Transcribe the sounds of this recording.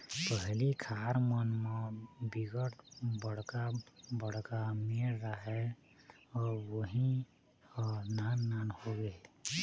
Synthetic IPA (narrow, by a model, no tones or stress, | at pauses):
pəɦlikʰaɾmənmẽbiɡəʈʰbəɽkabəɽ̤kamelːəɦɛ | ɔːɾwəɦi | nanːanhoɡe